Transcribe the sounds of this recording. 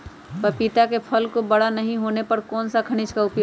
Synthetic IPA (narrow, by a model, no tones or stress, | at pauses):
pɐpɪt̪akepʰɐlkobɐɽanɐɦĩɦoːnepɐɾkɔːnsakʰɐɽ̃ɪt͡ʃkaʊpjoː